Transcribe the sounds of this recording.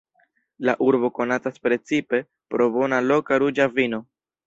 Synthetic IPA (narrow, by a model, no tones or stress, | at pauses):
laʔuɾbo̞ko̞nataspɾe̞t͡sipe̞ | pɾo̞bo̞nalo̞kaɾud͡ʒavino̞